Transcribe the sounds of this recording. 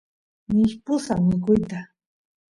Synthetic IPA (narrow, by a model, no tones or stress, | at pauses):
mɪʃpʊsamɪkʊjt̪a